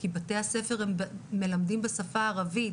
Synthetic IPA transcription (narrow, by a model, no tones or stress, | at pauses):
kibate̞hase̞fe̞ʁembːe̞lamdimbesafaːʁavi